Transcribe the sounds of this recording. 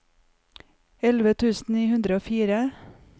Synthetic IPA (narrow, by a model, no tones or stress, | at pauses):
ɛlʋət̪ʰʉːsn̩iːhʉnd̪ɾəoːfiːɾə